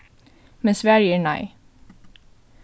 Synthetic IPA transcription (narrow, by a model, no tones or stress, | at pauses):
mɛnsʋæːɹjiːɳæɪ